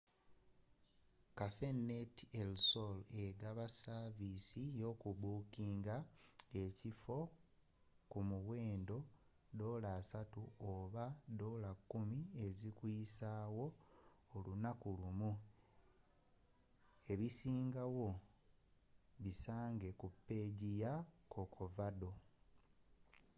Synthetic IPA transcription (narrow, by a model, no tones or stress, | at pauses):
kafe̞netielsole̞ɡaβasaβisijo̞ːkuβuːkiːŋɡae̞cifo̞ | kumuwe̞ːndo̞ | do̞ːlaːsatuoβado̞ːlakːumie̞zikwiːsaːwo̞ː | lunakulumu | e̞βisiːŋɡawo̞ | βisaːŋɡe̞kupːe̞ːɟijakʰo̞kʰovado̞